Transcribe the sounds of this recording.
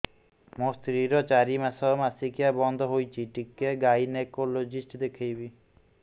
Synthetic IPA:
most̪ɾiɾɔt͡ʃaɾimasɔmasikijabɔnd̪ʱɔɦojt͡ʃʰiʈikːeɡajnekolod͡ʒisʈd̪ekʰejbi

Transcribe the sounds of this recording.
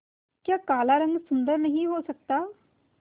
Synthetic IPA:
kjaːkaːlaːɾəŋɡsʊnd̪əɾnəɦĩːɦoːsək̚t̪aː

